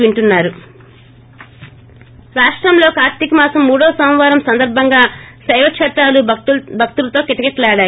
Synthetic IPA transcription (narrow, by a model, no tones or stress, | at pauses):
iɳʈunːaːɾu | ɾaːʂʈɾɐmlo̞ːkaːɾt̪ikimaːsɐmːuːɽɔːsɐw̃ʋaːɾɐmsɐnd̪ɐɾbʱɐŋɡaːsɐjʋɐʂʰɐʈːaːlubʱɐk̚t̪ulɐt̪o̞ːkiʈ̪ɐkeʈlɛːɽaːj